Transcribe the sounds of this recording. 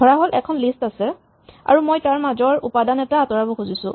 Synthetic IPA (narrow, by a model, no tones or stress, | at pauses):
ɔɹaɦolɛ̰kʰɔnlistasɛ | a̰ɹumojtaɹmazɔɹupadanɛtaːtɔɹabɔxuzisʊ̰̃